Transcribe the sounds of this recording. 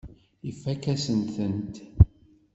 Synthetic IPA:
ifːækæsənθənt̪

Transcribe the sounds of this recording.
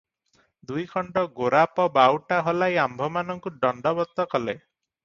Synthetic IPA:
d̪ujkʰɔɳɖɔɡoɾapɔbawʈaɦɔlajambʱɔmanɔŋkuɖɔɳɖɔbɔt̪ːɔkɔle

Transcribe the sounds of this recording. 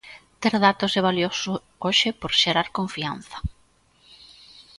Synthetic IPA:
t̪eɾðat̪ʊseβ̞aljosʊ | oʃɪpoɾʃeɾaɾkoɱfian̟θɐ̥

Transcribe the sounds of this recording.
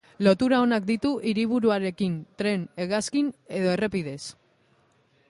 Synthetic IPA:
lo̞t̪uɾao̞nak̚d̪it̪uʔiɾiβ̞uɾuaɾe̞kint̪ɾe̞ne̞ɣaskine̞ðo̞e̞re̞piðe̞s

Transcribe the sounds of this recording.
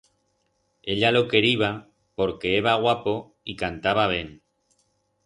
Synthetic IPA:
e̞ʎalo̞ke̞ɾiβ̞a | po̞ɾke̞eβaɣwapo̞ | ikant̪aβ̞aβ̞jeŋ

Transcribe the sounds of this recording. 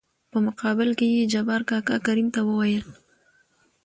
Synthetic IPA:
pəmʊqɑbɪlkejed͡ʒabɑɾkɑkɑkaɾimt̪awəwajəl

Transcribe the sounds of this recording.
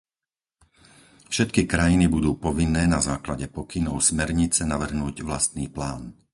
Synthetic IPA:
fʃɛt̪kikɾajinibud̪uːpɔʋinːɛːnazaːklaɟɛpɔkinɔʊsmɛɾɲit͡sɛnaʋr̩ɦnuːɟʋla̰st̪niːplaːn

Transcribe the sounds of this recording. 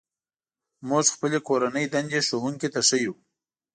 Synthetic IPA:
muʒxpəlekoɾanəjd̪and͡ʒeʃoɦuŋkit̪aʂəju

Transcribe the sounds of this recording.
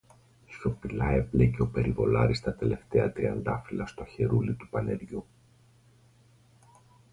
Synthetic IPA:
sfopilɐ̰e̞pleceo̞pe̞ɾivo̞lɐɾist̪ɐt̪e̞le̞ft̪e̞ɐt̪ɾiɐnd̪ɐfilɐst̪oçe̞ɾulit̪upɐne̞ɾʝu

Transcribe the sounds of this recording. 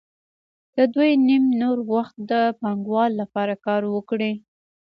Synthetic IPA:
d̪̥əd̪ujnimnoɾɣwaxt̪̚d̪əpɑŋɡwɑlːapɑɾakɑɾwəkɽi

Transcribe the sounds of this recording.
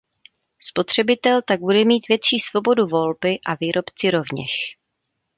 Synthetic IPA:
spo̞t̪r̝̥ɛbɪt̪ɛlt̪aɡ̚budɛmiːt̪vjɛt̪ʃiːsvo̞bo̞duvo̞lbɪʔaviːɾʔo̞pt͡sɪɾo̞vɲɛ̰ʃ

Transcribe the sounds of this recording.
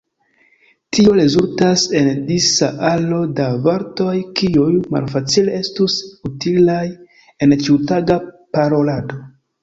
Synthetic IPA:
tio̞ɾe̞zultase̞ndisaʔalo̞davaɾto̞jkiujma̰lfat͡sile̞e̞stusutilaj | e̞nt͡ʃiwtaɡapaɾo̞lado

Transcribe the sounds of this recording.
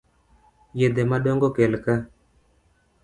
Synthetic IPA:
jed̪emaɗoŋɡɔkelka

